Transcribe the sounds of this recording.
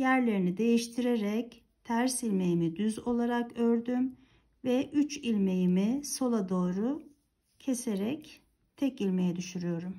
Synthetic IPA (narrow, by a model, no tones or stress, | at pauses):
jæɾlʲe̞ɾinid̪e̞jiʃt̪ʰiɾeɾɛc | t̪ʰæɾsilʲmejimid̪yzo̞lˠaɾakøɾd̪ym | vɛʔyt͡ʃilʲme̞jimiso̞lˠad̪o̞ːɾu | cʰese̞ɾɛc | t̪ʰɛcilʲmejɛd̪yʃyɾyjo̞ɾum